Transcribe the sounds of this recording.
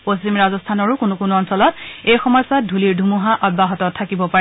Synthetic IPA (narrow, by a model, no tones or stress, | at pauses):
postimɹazɔstʰanɔɹʊkʊnʊkunuɔnsɔlɔt̚ejxɔmɔjsadʱuliɹdʱumuɦaʔɔt̚baɦɔtɔtʰːakibɔpaɹɛ